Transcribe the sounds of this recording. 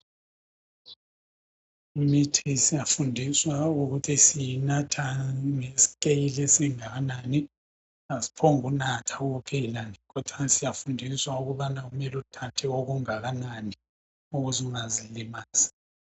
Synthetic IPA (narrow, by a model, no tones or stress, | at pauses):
imitʰisijafundʱiswauɣutʰisijinatʰaŋesi̥k̬ʼejilesiŋaɣanaːni | asi̥pʰɔŋunatʰauupʰɛlanikɔd̥ʰʱwasijafundʱiswauɣuβanaɣumɛlutʰatʰɛoɣuŋaɣanani | uɣuziuŋazilimaːz̥ḁ